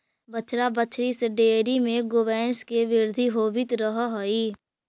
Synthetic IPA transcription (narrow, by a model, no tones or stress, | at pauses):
bət͡ʃʰɾabət͡ʃʰɾisəɖeːɾimẽɡoʋɛːnskeʋɪɾd̪ʱiɦoːʋɪt̪ɾəɦaɦoiː